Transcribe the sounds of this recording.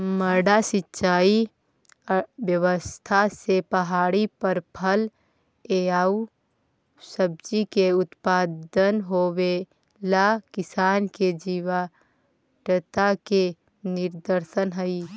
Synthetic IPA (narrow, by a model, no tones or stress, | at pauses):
məɾɖasɪtːʃaːi | bjəwəst̪ʰasepəɦaːɽipəɾpʰəl | eaːu | səb̚d͡ʒikeʊt̪paːd̪ənɦowe | lakɪsaːnked͡ʒiwa | ʈət̪ake | nɪɾd̪əɾsənɦəi